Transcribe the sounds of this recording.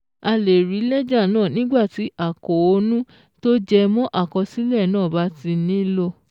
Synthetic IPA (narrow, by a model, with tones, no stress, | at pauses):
a˧le˨ɾi˨˦lɛ˦d͡ʒa˦˨nãː˦˨nĩ˦ɡ͡ba˦˨ti˨˦ʔa˦˨kɔ˨o˧nũ˦ | to˦d͡ʒɛ˧mɔ̃˦ʔa˦˨kɔ˧si˦lɛ˦˨nãː˦˨ba˨˦ti˧nĩ˦lo˧